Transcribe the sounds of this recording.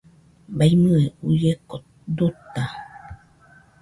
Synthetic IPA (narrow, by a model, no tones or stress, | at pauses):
bajmɨ̃eujeko | d̪ut̪a